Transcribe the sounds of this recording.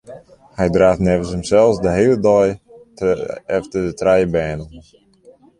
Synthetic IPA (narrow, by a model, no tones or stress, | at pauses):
hɛjdraːfnɛvənshəmsɛlˠsdəɦeːlədɔj | ɛftədətrɛjəbɛːnən